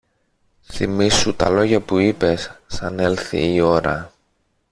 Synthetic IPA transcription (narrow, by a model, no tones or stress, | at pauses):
θimisːut̪ɐ̰lo̞ʝɐpuipe̞sːɐne̞lθḭːo̞ɾɐ̰